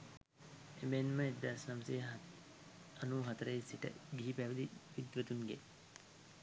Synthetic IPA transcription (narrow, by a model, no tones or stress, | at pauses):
emenmaed̪asnɐmseː | ɐnuːɦɐt̪ɐɾəesiʈə̰ɡiɦipæʋəd̪iʋid̪ʋət̪uŋɡḛ